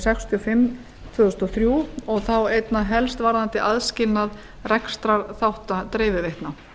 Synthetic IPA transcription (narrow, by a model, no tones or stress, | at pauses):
sɛkst̪ʰiɔfɪmː | t̪ʰvʏːðʏst̪ɔθɾjuːɔɣθawejt̪naɦɛlst̪vaɾðant̪ɪʔaðscɪlnað | rɛkst̪ɾaɾθawht̪at̪ɾeːjvɪvejht̪na